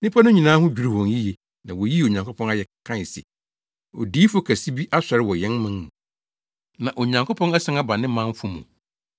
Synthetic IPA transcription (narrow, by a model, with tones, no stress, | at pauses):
nɪ̃˦pʰa˦nʊ̃˦ɲĩ˨nãː˦ɦʊ̃˦d͡ʑᶣu˨ɾu˨hɔ̃˨nji˦je˨ | nã̰˨wɔ˨ji˦o˨ɲã˨ŋkʰo˦pʰɔ̃˦na˦jɛ˨kʰã˦˨sḭ˨ | ɔ̰˨diː˦fʊ˦kʰæ˨si˦bi˦ʔa˦ɕᶣɛ˨ɾɪ˦wɔ˨jɛ̃˦nmã˦nnũ˨ | nã˨ʔo˨ɲã˨ŋko˦pʰɔ̃˦nɛ˦sɪ̃˦a˦ba˨nɪ̃˦mã˦ɱ˦fʊ˦mṵ̃˨